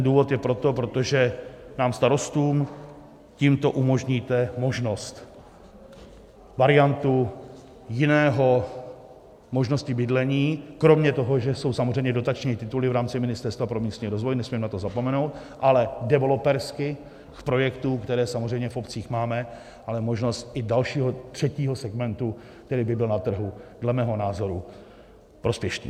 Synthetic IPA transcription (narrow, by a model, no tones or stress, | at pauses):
nduːvot̪jɛpɾo̞t̪o̞pɾo̞t̪o̞ʒɛnaːmst̪aɾo̞st̪uːm | ciːmt̪o̞ʔumo̞ʒɲiːt̪ɛmo̞ʒno̞st̪ | vaɾɪant̪u | jɪnɛːɦo̞ | mo̞ʒno̞scɪbɪdlɛɲiːkɾo̞mɲɛt̪o̞ɦoʒɛso̞wsamozr̝ɛjmɲɛdo̞t̪at͡ʃɲiːt̪ɪt̪ulɪvɾaːmt͡sɪmɪnɪst̪ɛɾst̪vapɾomiːst̪ɲiːɾo̞zvojnɛsmimnat̪o̞zapo̞mɛno̞wt̪ | ʔalɛdɛvɛlopɛɾskɪ | kpɾo̞jɛkt̪uːkt̪ɛɾɛːsamozr̝ɛjmɲɛfʔo̞pt͡siːxmaːmɛ | ʔalɛmo̞ʒno̞st̪ʔɪdalʃiːɦo̞t̪r̝̥ɛciːɦo̞sɛɡmɛnt̪u | k̚t̪ɛɾiːbɪbɪlnat̪r̩ɦudlɛmɛːɦo̞naːzo̞ɾu | pɾo̞spjɛʃnḭː